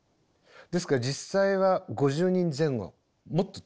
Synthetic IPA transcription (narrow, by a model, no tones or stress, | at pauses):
d̪e̞s̬ɨ̥kaɾad͡ʑisaiβaɡo̞ʑɨːɲ̟ĩnd͡zẽ̞ŋɡo̞̰ | mo̞t̪ːo